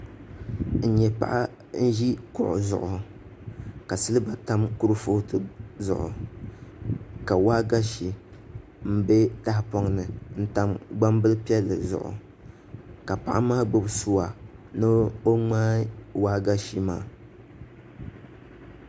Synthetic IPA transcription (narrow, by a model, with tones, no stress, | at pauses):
n̩˨ɲɛ˨pa̰˨ʔa˦ | n̩˦ʒi˦kʊ˦˨ʔʊ̰˨zʊ̰˨ʔʊ˨ | ka˨sɨ˦lɨ˦ba˨ta˦mku˦ɾɨ˦fo˦tɨ˨zʊ̰˨ʔʊ̰˨ | ka˨waː˦ɡa˦ʃi˨ | m̩˦bɛ˦ta˦hpɔ˦ŋnɨ˨n̩˦ta˦mɡ͡ba˦mbɨ˦lɨ˦pi˦ɛ˦lːɨ̰˨zʊ̰˨ʔʊ̰˨ | ka˨pa̰˨ʔa˦maː˦ɡ͡bɨ˦bsu˦wa˨nɨ˦o˦ŋ͡maː˦waː˦ɡa˦ʃi˦maː˦˨